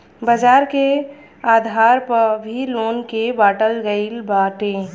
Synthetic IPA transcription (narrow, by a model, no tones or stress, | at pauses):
bəd͡ʒaːɾke | aːd̪ʱaːɾpɐɾbʱiloːnkebaːʈəlɡəɪlbaːʈẽː